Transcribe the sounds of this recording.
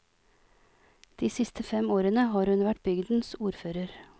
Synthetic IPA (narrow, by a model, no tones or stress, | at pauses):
d̪̥iːsɪst̪ʰəfɛmoːɾənəhɑːɾhʉnʋæʈ̚bʏɡd̪n̩suːɾføːɾəɾ